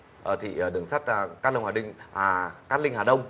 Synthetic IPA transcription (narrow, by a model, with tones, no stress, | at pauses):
ʔəː˨˩t̪ʰḭ˧˨˩ʔə˨˩ɗɨ˨˩əŋsaː˦˥t̚ːka˦˥lə˧wŋ͡mhaː˨˩ï˧˩ŋː˨˩ | kaː˦˥t̚lï˧ŋ̟haː˨˩ɗə˧wŋ͡m